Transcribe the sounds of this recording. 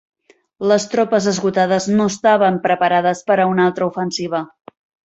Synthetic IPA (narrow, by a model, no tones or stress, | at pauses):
ləst̪ɾɔpəzəzɣut̪aðəznoəst̪aβəmpɾəpəɾaðəspəɾəunalˠt̪ɾəufənsiβ̞ə